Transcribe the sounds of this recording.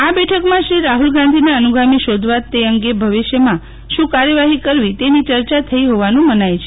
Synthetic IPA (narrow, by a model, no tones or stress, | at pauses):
abɛʈʰəkmãʃɾiɾaɦulɡãnd̪ʱinaənuɡʱamiʃod̪ʱʋat̪ːeəŋɡebʱəʋiʃjəmã | ʃũkaɾjəʋaɦikəɾʋit̪enit͡ʃəɾt͡ʃat̪ʰəiɦoʋanũmənajt͡ʃʰe̥